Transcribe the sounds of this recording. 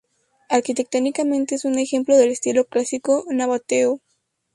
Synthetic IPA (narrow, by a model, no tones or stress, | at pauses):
aɾkit̪e̞k̚t̪onikamẽnt̪e̞esune̞xe̞mplo̞ðe̞lest̪iloklasikonaβat̪eo